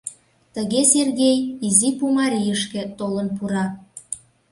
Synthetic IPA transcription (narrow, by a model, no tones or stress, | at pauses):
t̪əɣeserɣejizipumɑɾʲijəʃkĕt̪olənpuɾɑ